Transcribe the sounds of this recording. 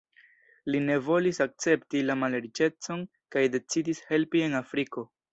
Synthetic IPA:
line̞vo̞lisak̚t͡se̞ptilamaleɾit͡ʃe̞t͡so̞n | kajde̞t͡sidishe̞lpie̞nafɾiko̞

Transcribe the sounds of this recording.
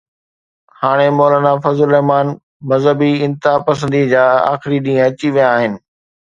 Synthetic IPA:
haːɽ̃emɔːlaːnafɐzʊlɛɦmaːn | mɐzɦəbiɪ̃nt̪ɪɦapɐs̬ə̃nd̪id͡ʑaːa̰ːxɪɾiɗĩːɦə̃ɐt͡ɕiʋijãːɦɪnɪ̆

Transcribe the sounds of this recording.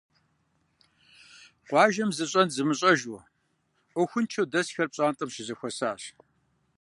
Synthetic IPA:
qʷɑːʒɐmzɨɕʼɐnzɨmɨɕʼɐʒʊ | ʔʷɔxʷʊnt͡ʃʰɐwdɐsxɐrpɕʼaːntʼɐmʃɪzɐxʷɔsaːɕ

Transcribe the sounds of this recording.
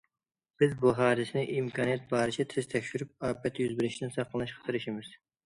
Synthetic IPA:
b̥ɪzbuɦɑːɾɨsɪnɪʔimkʰɑːnijɛt̪̚bɑːɾɨt͡ʃʰɛt̪ʰɪz̥t̪ʰɛkʲʃyɾyp̚ɑːpɛt̪jyzbɪɾɪʃt̪ɪnsɑqʰːəlˠnɨʃqʰɑ̥t̪ʰɨɾɨʃimɪz̥

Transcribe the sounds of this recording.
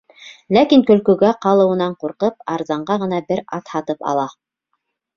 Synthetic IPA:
lækiŋkɵ̆lkɵ̆ɡæqɑlˠɤ̆wɤ̆nɑɴquɾqɤp̚ɑɾzɑɴɢɑʁɤ̆nɑbɘɾɑt̪hɑt̪ɤpɑ̰lˠɑ

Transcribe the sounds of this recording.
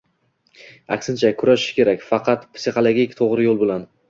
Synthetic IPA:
a̰kʲsɪnt͡ʃʰakʰʊɾaʃɪ̥ʃkʲe̞ɾakʲfɑqʰɑt̪pʰsiχolˠoɡʲikʲt̪ʰoʁɾɪjolˠbolˠan

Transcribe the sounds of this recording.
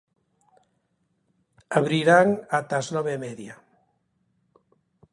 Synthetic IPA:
aβɾiɾaŋat̪aznɔβemɛðja

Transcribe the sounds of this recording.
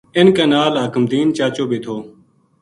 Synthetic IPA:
ɪnkaːnaːlɦəkəmd̪iːnt͡ʃaːt͡ʃoːbeːt̪ʰoː

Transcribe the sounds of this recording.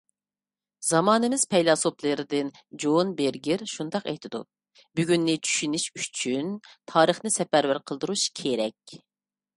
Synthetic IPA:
zɑmɑːnɨmɪz̥pʰɛjlˠɑsoplˠəɾɪd̪ɪn | d͡ʒonbeɾɡʲɪɾʃund̪ɑqɛ̰jt̪ʰɪd̪ṵ | byɡʲynːɪt͡ʃʰy̥ʃyniʃyt͡ʃʰynt̪ʰɑːɾəχnɨsɛpæɾvæɾqʰəlˠd̪uɾuʃkʲʰeɾɛkʲ

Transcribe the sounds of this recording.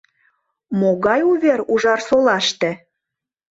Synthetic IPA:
moɣɑjuβʲeɾuʒɑrsolɑʃt̪ĕ

